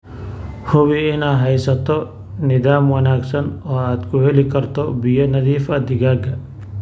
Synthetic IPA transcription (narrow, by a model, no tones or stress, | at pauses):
hʊβɪɪnaːɦɛjsɐt̪ʰɔ | nɪðaːmwɐnaːɡsɐnɔːaːd̪kʰʊhɛlɪkʰɐrt̪ʰɔbɪjɔnɐðiːfɐd̪ɪɣaːɡɐ